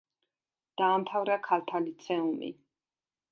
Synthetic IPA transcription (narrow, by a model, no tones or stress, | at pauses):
d̪̥aːmt̪ʰavɾakʰalt̪ʰalit̪sʰɛumḭ